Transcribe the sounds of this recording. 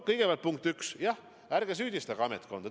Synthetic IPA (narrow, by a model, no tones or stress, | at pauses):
kɤjɡ̥evæɑlt̪puŋk̚t̪yksjɑh | æɾɡ̥es̬yːd̪ist̪ɑɡɑɑmet̪ko̞nd̪ɑ